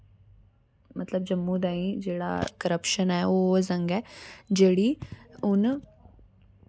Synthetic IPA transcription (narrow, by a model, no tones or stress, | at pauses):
mɐt̪ləbd͡ʒəmːũːd̪aːĩd͡ʒeːɽa̰ːkəɾəpʃənɛːoːzə̃ŋɡɛːd͡ʒeːɽiːʊn